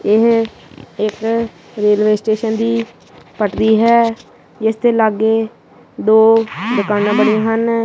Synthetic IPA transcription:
ɪɦ | ɪk | ɾeːlʋeːsʈeːʃənd̪iː | pəʈd̪iːɦɛː | d͡ʒɪst̪ʰeːləɡeː | d̪oːd̪əkaːnãːbəɽiãːɦən

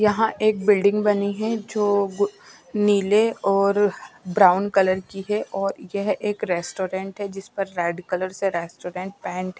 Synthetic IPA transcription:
jɐɦãʔeːk̚bɪlɖɪ̃ŋɡbɐniɦɛd͡ʒoːɡ | niːleɔːɾbɾaːʊnkɐləɾkiɦɛʔɔːɾjɐɦeːkɾɛːsʈoːɾẽːɳʈɦɛd͡ʒɪspɐɾːɛːɖkɐləɾseɾɛːsʈoːɾẽːɳʈ̚pɛ̃ːɳʈɦɛ

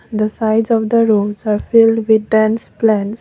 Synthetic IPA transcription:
d̪əsaɪzɔʋd̪əɾoɖzaɾfɪlɖʋɪd̪̚ɖæ̃nsplæ̃ns

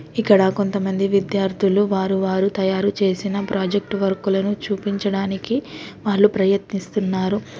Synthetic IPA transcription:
ikːɐɽɐko̞nt̪ɐmɐnd̪iʋid̪jaːɾt̪ʰuluʋaːɾuʋaːɾut̪ɐjaːɾut͡ʃe̞ːsinɐpɾaːd͡ʒek̚ʈʋɐɾkulɐnut͡ʃuːpiɲt͡ʃɐɽaːnikiʋaːɭːupɾɐjɐt̪nist̪unːaːɾu

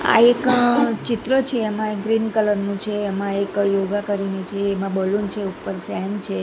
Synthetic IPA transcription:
a̰ekt͡ʃɪt̪ɾət͡ʃʰeːmãekɡɾinkələɾnũt͡ʃʰeːmãekjoɡakəɾinit͡ʃʰeːmãbəlunt͡ʃʰeupəɾfʰɛnt͡ʃʰe

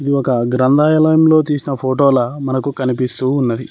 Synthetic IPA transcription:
id̪iɔkɐɡɾɐnd̪aːjɐlɐjɐmlo̞ːt̪iːsinɐpʰoːʈoːlɐmɐnɐkukɐnipist̪uːnːɐd̪i

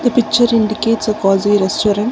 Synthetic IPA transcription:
d̪ɐpɪk̚t͡ʃːɐɾɪ̃ɳɖɪkeːʈsɐkɔːziɾɛsʈoːɾɐ̃n

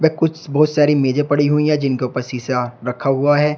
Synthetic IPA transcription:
ʋɛkʊt͡ʃʰbɔːt̪saːɾimeːd͡ʒepɐɽiɦuiɦɛ̃d͡ʒɪnkeupəɾsiːsaɾɐkʰaɦʊaɦɛː

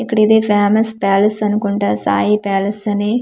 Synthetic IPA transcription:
ikːɐɽid̪eːpʰaːmɐspaːlɐsɐnukuɳʈaːsa̰ːjipaːlɐsɐneː

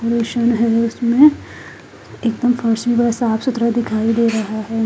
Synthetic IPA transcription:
oɾiːʃənɦɛʊsmẽ | eːk̚d̪əmfɐɾsbibɐsaːpsʊt̪ɾad̪ɪkʰaːid̪eːɾɐɦaɦɛː

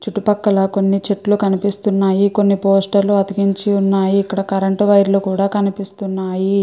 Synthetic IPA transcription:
t͡ʃuʈːupɐkːɐlɐko̞nːit͡ʃeʈlukɐnipist̪unːaːjiko̞nːipoːsʈɐɾluɐd̪iɡiɲt͡ʃiunːaːjiːkːɐɽɐkɐɾɐɳʈuʋɐjɾlukuːɽaːkɐnipist̪unːaːji

